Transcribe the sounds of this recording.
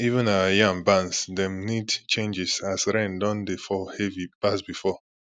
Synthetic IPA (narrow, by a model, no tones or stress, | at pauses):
ivə̃nawjãŋbãnsdɛ̃mnidt͡ʃẽnd͡ʒɛsasɹɛ̃ndɔ̃ndefɔhɛvib̥asbifɔ